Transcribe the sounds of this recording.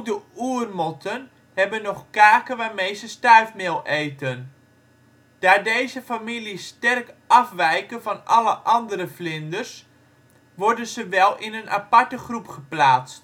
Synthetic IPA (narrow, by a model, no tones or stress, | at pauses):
dəuərmɔtʰən | hɛbənɔχkaːkəʋaːrmejzəstœɥfmɪlˠʔejtən | d̥aːdejzəfamilistɛrkʔɑfʋɛjkəvɑnʔɑləʔɑndəɾəflɪndərs | ʋɔɹdənzəʋɛlˠɪnənʔa̰pɑɹtəχrupχəplaːt͡st